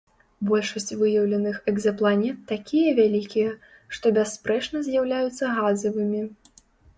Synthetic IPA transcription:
bɔlʲʂɐsʲt͡sʲvɨjɐwlʲɐnɨxɛɡzɐplˠanʲɛt̪ːakʲijɐvʲalʲikʲijɛ | ʂt̪ɔbʲasːpɾɛt͡ʂnɐzʲjawlʲajut̪sːɐɣazɐvɨmʲi

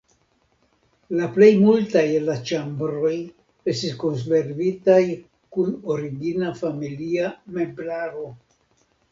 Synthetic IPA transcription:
laple̞jmultajlat͡ʃambɾo̞j | e̞stisko̞ns̬be̞ɾvitaj | kuno̞ɾiɡinafamiliame̞mblaɾo̞

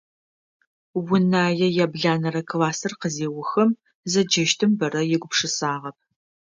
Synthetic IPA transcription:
wʊnaːjɛjabɮaːnɐɾɐkʰlaːsɨrqəzeːwʊxɐm | zɐd͡ʒɐʃtʰɨmbɐrɐjɪɡʷʊpʂɨsaːʁɐp̚

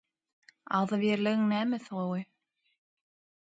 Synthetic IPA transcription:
a̰ðvjɛɾlɛɣŋnɛːmʏθoːwʏ

